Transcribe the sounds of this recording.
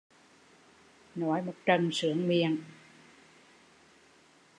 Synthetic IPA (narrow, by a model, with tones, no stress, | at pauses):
nɔ˨˦jmo˨˩t̚t͡ɕə˨˩msɨ˨˧˦əŋmi˨əŋ